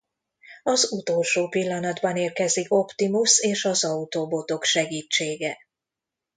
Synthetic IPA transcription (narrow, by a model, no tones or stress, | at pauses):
ɒzut̪olʃoːpilːɒnɒd̪bɒneːrkɛziko̞pt̪imuseːʃɒzɒut̪oːbo̞t̪o̞kʃɛɡiːt͡ʃːeːɡɛ